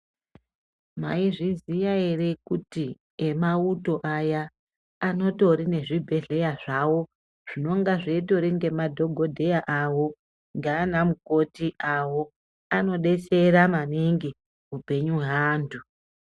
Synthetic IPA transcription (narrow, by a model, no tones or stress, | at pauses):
ma̰iʐizijaere̞kuti | emauto̞ʔajaː | no̞to̞ɾine̞ʐibʱe̞ɮe̞jaʐawo̞ | ʐ̥ino̞ŋɡaʐeito̞ɾinɡe̞madʱo̞ɡʱo̞dʱe̞jaʔawo̞ | ŋɡaːnamukotiʔawo̞ | ano̞ɗe̞t͡se̞ɾamaniŋɡi | upe̞ɲuɦaːndʱu